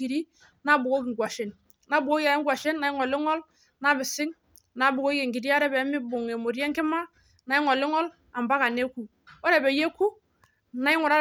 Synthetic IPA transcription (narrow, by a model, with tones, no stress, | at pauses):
i˨ɾi˦ | na˦bu˨ko˦ki˨ŋ˨ɡʷwa˨ʃe˨n | na˦bu˨ɡo˦ja˨˦ŋ˦ɡʷwa˨ʃe˦nːa˨ɪ˦ŋɔ˨lɪ˦ŋɔ˦l | na˦bɪ˨sɪ˦ŋ | na˨˦bu˨ko˦je˨ŋɡi˨di˦ja˦ɾɛ˦bɛ˨˦mi˦bu˨ŋe˨mo˨ɾɛ˦ŋki˦ma˦ | na˨i˦ŋɔ˨lɪ˦ŋɔ˦l | a˨mba˦ka˨ne˦ku˨˦ | ɾɛ˨bɛ˨je˦ku˦ | na˨˦i˦ŋɔ˨ɾa˦